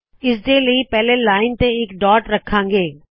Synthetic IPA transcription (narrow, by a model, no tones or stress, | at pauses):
ɪsd͡ʑeːləipɛɦlelaːɪnt̪ẽɪkɖɔːʈɾɐkʰãːŋ̆ɡeː